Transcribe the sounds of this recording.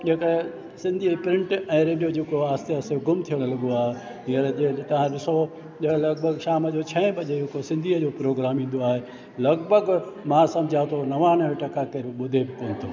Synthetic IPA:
ʄeːkə | sɪ̃nd̪ʱiːpɾɪ̃ɳʈɛ̃ːɾeːɖijod͡ʑeːkoaːst̪eɐseɡʊmt̪ʰijəɽ̃əlɐɠ̪oaːɦe | ĩːəɾd͡ʑet̪ɐʋ̤ãɗɪso | ʄɐlɐɡbʱəɡʃaːməd͡ʑoːt͡ɕʰɐ̃ɪ̃bɐʄeekosɪ̃nd̪ʱiːəd͡ʑoːpɾoːɡɾaːmĩːnd̪oaːɦe | lɐɡbʱəɡmãsɐmd͡ʑʱat̪ʰonɐʋãnɐʋẽʈɐkakeɾɓʊd̪ʱebɪkoːnɪt̪ʰoː

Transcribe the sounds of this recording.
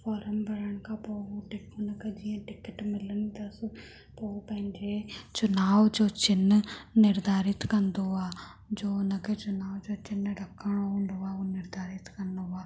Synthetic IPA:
fɔːɾəmbəɾəɳkaːpooʈɪkʰonɐked͡ʒiẽʈɪkəʈmɪlnit̪ɐs | poːpɛ̃ɲd͡ʒet͡ʃʊnaːʋd͡ʒoːt͡ʃɪnnɪɾd̪aːɾɪt̪kənd̪oaː | d͡ʒoːnɐket͡ʃʊnaːʋd͡ʒoːt͡ʃɪnɖəkːəɳõːnd̪oaːoːnɪɾd̪aːɾɪt̪kəɾnoaː

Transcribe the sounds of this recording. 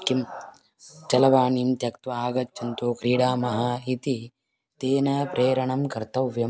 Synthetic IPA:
kim | t͡ʃɐlɐʋaːniːmt̪jɐkt̪ʋɐaːɡɐt͡ʃːɐnt̪uːkɾiːɽaːmɐɦaːit̪i | t̪eːnɐpɾʔeːɾɐɳɐmkɐɾt̪ɐʋjɐ

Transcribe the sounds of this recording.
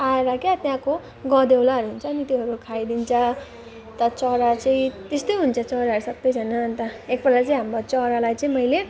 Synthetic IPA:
aeɾʌkeat̪jãko | ɡʌd̪ewlaɦʌɾuɦunt͡sʰʌːnit̪joɦʌɾukʰajd̪int͡sʰʌ | t̪ʌt͡sʌɾat͡sʌĩt̪est̪ojɦunt͡sʰʌt͡sʌɾaɦʌɾusʌbʌjd͡zʱʌnaːnt̪ʌekbʌlat͡saĩɦamɾot͡sʌɾalajt͡sʌĩmʌjle

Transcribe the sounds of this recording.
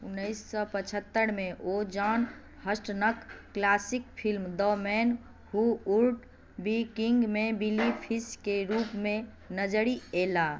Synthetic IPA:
unːəjsːɔpət͡ʃʰət̪ːəɾmeʔod͡ʒan | həsʈnəkːlasikpʰilmd̪ɔmɛn | huuɾʈ | bikiŋɡmebilipʰiskeɾupme | nəd͡ʒɾiela

